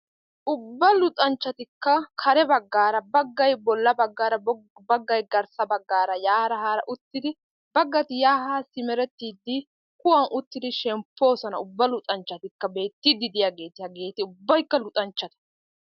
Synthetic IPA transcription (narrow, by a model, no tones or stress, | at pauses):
ʔʊbːɐlʊt̪ʼɐnt͡ʃːɐt̪ɪkːɐkʰɐɾɛbɐɡːaːɾɐbɐɡːɐjbɔlːɐbɐɡːaːɾɐbɐɡːɐjɡɐɾsɐbɐɡːaːɾɐjaːɾɐhaːɾɐʔʊt̪ːɪd̪ɪ | bɐɡːɐt̪ɪjaːhasɪmɛɾɛt̪ːiːd̪ːɪ | kʊwɐnʔʊt̪ːɪd̪ɪʃɛmpːo̞ːsɐnɐʊbːɐlʊt̪ʼɐnt͡ʃːɐt̪ɪkːɐbe̞ːt̪ːid̪ːɪd̪ɪjaɡe̞ːt̪ɪjɐɡe̞ːt̪ɪʊbːɐjkːɐlʊt̪ʼɐnt͡ʃːɐt̪ɐ̥